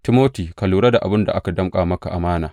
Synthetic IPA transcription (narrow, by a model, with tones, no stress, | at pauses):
tɪ˦moː˦tiː˨kɐ˨luː˨ɽɐ˦da˨ʔa˨bɪ˦nda˨ʔa˦ka˨dɐ˦mkʼaː˨mɐ˦ka˨ʔa˨maː˦naː˨